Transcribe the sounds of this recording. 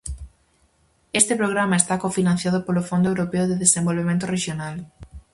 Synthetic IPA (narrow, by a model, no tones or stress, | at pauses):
est̪ɪpɾoɣɾamaest̪akofinãn̟θjað̞ʊpolʊfond̪oewɾopeʊðeðesẽmbolβemẽnt̪ʊreʃjonal